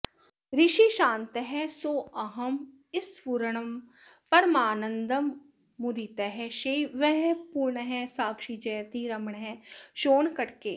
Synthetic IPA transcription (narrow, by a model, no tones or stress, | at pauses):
ɾɪʃiʃãːnt̪əɦɛsoːɐɦɐm | ɪspuɾɳ̃ɐm | pɐɾmaːnə̃nd̪ɐmː | ud̪it̪əɦɛʃeːʋɛɦpuɾɳəɦɛ̃saːkʃid͡ʒɐjt̪iɾɐməɳɦɛ̃ːʃoːnkɐʈkeː